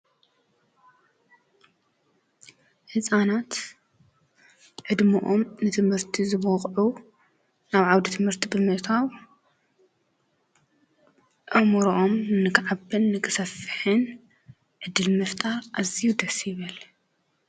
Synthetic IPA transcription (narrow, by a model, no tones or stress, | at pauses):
ħɨsʼanat̪ | ʕɨd̪muʔomnɨt̪ʰɨmhɨɾt̪ʰizɨβɔqʼʕu | naβʕawd̪it̪ʰɨmhɨɾt̪ʰibɨmɨʔt̪ʰaw | ʔɐmɔɾʔomnɨkʕabɨnːɨkʰɨ̥sɐfːɨħɨn | ʕɨd̪ːɨlmɨft̪ʼaɾʔazijud̪ɐsjɪβɨl